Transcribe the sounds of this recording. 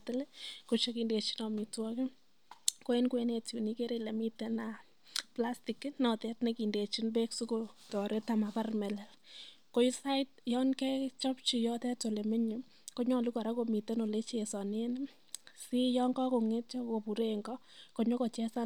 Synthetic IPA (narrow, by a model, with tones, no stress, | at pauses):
tɪ˦leko˨t͡ʃe˦ki˦nde˨t͡ʃi̥˦nɔ˨mi˨twɔkɪ˦ | ko˦e˦nkwe˦ne˨tju˨ni˦ke˦ɾe˦le˨mi˦te˦na˨ | pla˦sti˨knɔ˨tɛ˦tne˨ki˨nde˨t͡ʃi˦npeksu˦kotɔ˨ɾe˦ta˨ma˨pa˦rmɛ˨lɛ˨l | ko˦sa˦tjɔ˦nkɛ˦t͡ʃɔ˦pt͡ʃi˨jɔ˦tɛ˦to˨le˨me˦ɲi˨ | ko˦ɲɔ˦˨lu˦kɔ˨ɾa˦ko˨mi˨te˦no˨le˦t͡ʃe˨sɔ˨n˦e˦n˦ | si˦jɔ˦ŋɡɔ˦ko˨ŋe˦tt͡ʃɔ˦ko˨pu˨ɾe˦ŋɡɔ˦ko˨ɲo˦ko˨t͡ʃɛ˦sa˦